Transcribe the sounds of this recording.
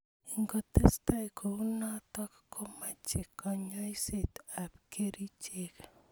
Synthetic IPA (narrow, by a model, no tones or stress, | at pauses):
iŋɡotestajkounatɔkkʰomat͡ʃekːɔɲɔjsetapkeɾit͡ʃek